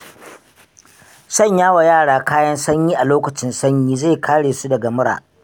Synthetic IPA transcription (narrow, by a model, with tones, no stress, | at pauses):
sɐ˦˨ɲjaː˦wa˨jaː˦˨ɽaː˦kaː˦jɐ˦nsɐ˦ɲjiː˦ʔa˨loː˦kɐ˨t͡ʃɪ˦nsɐ˦ɲjiː˦ze˦˨kʰaː˦ɽeː˨su˦dɐ˨ɡa˨mʊ˦ɽa̰ː˨ʔ